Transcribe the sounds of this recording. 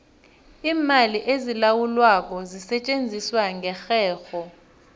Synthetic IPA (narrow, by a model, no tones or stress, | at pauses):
iːmaliʔezilawulwak̬ʼɔzisɛt͡ʃʼend͡zʱiswaŋɡʱɛxɛːxɔ